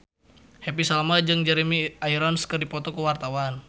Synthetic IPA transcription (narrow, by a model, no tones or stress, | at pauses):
hɛpisalamad͡ʒɨŋd͡ʒɛɾimiaiɾɔnskɨrdipɔt̪ɔkuwart̪awan